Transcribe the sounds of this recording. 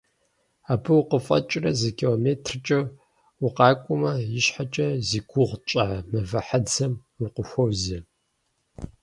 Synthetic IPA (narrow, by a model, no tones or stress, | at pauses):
aːbʰɨwʊqəfʼɐ̰t͡ʃʼrɐzɨkʰilomeːtʰrt͡ʃʼɐ | wʊqɑːkʷʼʊmɐjɪɕħat͡ʃʼɐziːɡʷʊʁt͡ʃʼaʕmɨvɐħad͡zɐm | wʊqəxʷowzi